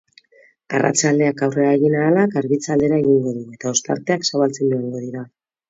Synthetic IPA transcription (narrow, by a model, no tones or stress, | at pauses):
a̰ra̰t͡ʃald̪e̞akawre̞aeɣinaːlakaɾɣit͡sald̪e̞ɾaeɣ̞iŋɡo̞ðue̞t̪ao̞st̪a̰ɾt̪e̞aksaβalt͡send̪uaŋɡo̞ðiɾa